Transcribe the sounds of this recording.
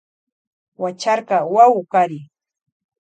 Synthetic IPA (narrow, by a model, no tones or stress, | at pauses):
wat͡ʃaɾɢɑwawʊkaɾɪ